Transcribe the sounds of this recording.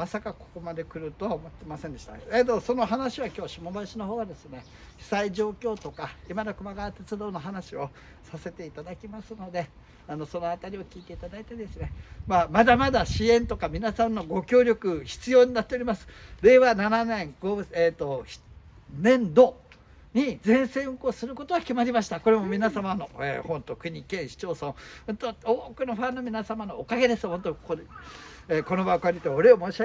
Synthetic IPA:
masakako̞̥ko̞mad̪e̞kɯ̟ɾɯ̟t̪o̞βaomot̪ːe̞masẽnd̪e̞ɕt̪aeːt̪o̞so̞no̞ɦanaɕiβakʲo̞ːɕimobaɕino̞ɦo̞ːɡad̪e̞sɨne̞ | çi̥saiʑo̞ːkʲo̞ːt̪o̞kaimad̪akɯ̟maɡat̪e̞t͡sɨd̪o̞ːno̞ɦanaɕio̞ | sase̞t̪e̞it̪ad̪akʲimasɨno̞d̪e̞ | ano̞so̞noat̪aɾʲio̞kʲiːt̪e̞it̪ad̪ait̪ed̪e̞sɨnemamad̪amad̪aɕiẽ̞nt̪o̞kamʲinasãnːo̞ɡo̞kʲo̞ːɾʲo̞kɯ̟çi̥t͡sɨjo̞ːɲ̟inat̪ːeoɾʲimasɨ̥d̪e̞βanananẽ̞ŋɡ̥oːɯet̪o̞ç̥ | nẽ̞nd̪o̞ | ɲ̟id͡zẽ̞ɰ̃sẽ̞ɰ̃ɯ̟ko̞ːsɨɾɯ̟ko̞t̪o̞ɡakʲimaɾʲimaɕi̥t̪ako̞ɾe̞mo̞mʲinasamano̞ḛːhõ̞nt̪o̞kɯ̟ɲ̟ʲikẽ̞ɰ̃ɕi̥t͡ɕo̞ːsõhõnt̪ooːkɯ̟no̞ɸãnːo̞mʲinasamano̞ːkaɡe̞d̪e̞sɨhõ̞nt̪oko | eːko̞no̞bakaɾʲit̪eoɾe̞omoːɕia

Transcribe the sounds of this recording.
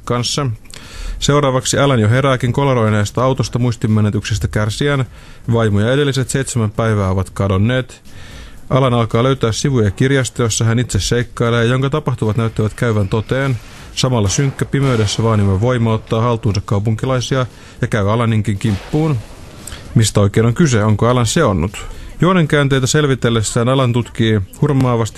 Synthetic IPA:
kɑnsːɑ | se̞wɾɑːʋɑksiælænjoɦe̞ɾæːkiŋko̞loɾo̞jneːst̪ɑɑwt̪ost̪ɑmuist̪imːænet̪yksest̪ækærsiæn | ʋɑjmojɑe̞de̞lːiset̪se̞it̪semæmpæiʋæːo̞ʋɑt̪kɑdo̞nːeːt̪ | ʔɑlænɑlkɑːløɥt̪æːssiʋujɑkirjɑst̪ɑjosːɑɦænit̪sesːejkːɑjlːejɑjo̞ŋkɑt̪ɑpɑht̪uʋɑt̪næyt̪ːiʋæt̪kæyʋænt̪o̞t̪eːn | sɑmɑlːɑsyŋkːæpimeydesːæʋɑːnimɑʋʋoimːɑot̪ːɑːhɑlt̪uːnsɑkkɑupuŋkilɑisiɑ | jɑkæyɑlɑnːiŋkiŋkimpːuːn | mist̪æoikeːnoŋkyseoŋkoɑlɑnseonːut̪joːneŋkæːnt̪ejt̪æselʋit̪elːesːæːnɑlɑnt̪ut̪kiːhurmɑːʋɑst̪i̥

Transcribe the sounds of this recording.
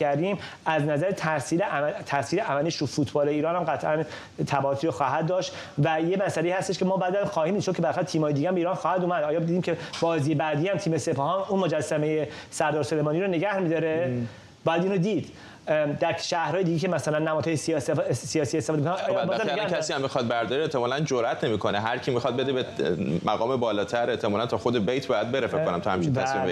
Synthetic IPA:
æɾd̪ĩːm | æznæzæɾet̪ʰæsiɾet̪ʰæsiːɾeʔæmæliʃufuːt̪ʰbɒːleiːɾɒːnhæmɡæt̪ʰʔæn | t̪ʰæbæot̪ʰiːɾoxɒːɦæd̪̚d̪ːɒːʃt̪ | væjemæsæleiːhæst̪e̞ʃkʰemɒːbæːd̪æmxɒːhiːmid̪ʃo̥cʰeæɾxæt̪ʰiːmɒːjed̪iɡænmbeiɾɒnxɒːhæd̪uːmæd̪ɒːjɒːd̪id̪imcʰeb̥ɒːziːjebæd̪iːhæmt̪ʰiːmesepʰɒhɒːnuːnmod͡ʒæsːæmejesæɾd̪ɒːɾsolejmɒːniːɾoneɡæhmiːd̪ɒːɾe | bɒːjæd̪iːnɾod̪iːd̪̥ | d̪æɾʃæhɾɒːjed̪iɡecʰemæsælænːæmɒːd̪̥hɒːjesissijɒːsiːest̪efɔd̪eikonːjbɒzækʰæsiːæmːixɒd̪̚bæɾd̪ɒɾieht̪ʰemɒːlænd͡ʒoɾʔæt̪ʰnemiːkʰoneɦæɾcʰiːmixɒd̪̚be̞d̪ebemæɣɒːmebɒːlɒːt̪ʰæɾeht̪ʰemɒːlænt̪ʰɒxod̪ebejt̪ʰbɒːjæd̪̚be̞ɾefekonæmt̪ʰɔhæmt͡ʃʰinʰæsim

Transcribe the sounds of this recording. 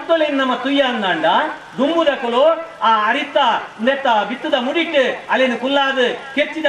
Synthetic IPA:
t̪ːolɐjnnɐmːɐt̪ʊjːaːnɯnd̪aːɳɖaː | d̪ʊmbuðɐkːɐloːaːɐɾɪt̪ːaːnɛt̪ːaːʋɪt̪ːɯðɐmʊɽiʈːɯɐlːenɯkʊlːaːðɯket͡ʃːiðɐ

